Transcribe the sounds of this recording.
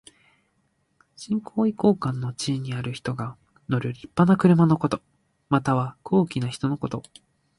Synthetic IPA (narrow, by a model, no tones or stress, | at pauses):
ɕĩŋkʰo̞ːiko̞ːkãnːo̞t͡ɕiːɲ̟iaɾɯ̟çi̥t̪o̞ɡa | no̞ɾɯ̟ɾʲipːanakɯ̟ɾɯ̟mano̞ko̞t̪o̞ | mat̪aβ̞ako̞ːkʲinaçi̥t̪o̞no̞ko̞t̪o̞